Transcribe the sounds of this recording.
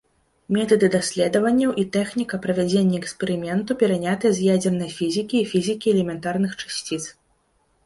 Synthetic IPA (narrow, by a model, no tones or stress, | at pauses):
mʲɛt̪ɐd̪ɨd̪asʲlʲɛd̪ɐvɐnʲːɐwʔit̪ɛxnʲikɐpɾɐvʲad͡zʲenʲːɐɛkspʲɛɾɨmʲɛnt̪upʲɛɾanʲat̪ɐjɛzʲjad͡zʲɛrnɐjɐfʲizʲikʲiːfʲizʲikʲiɛlʲɛmʲɛnt̪arnɨxt͡ʂḁsʲt͡sʲit̪s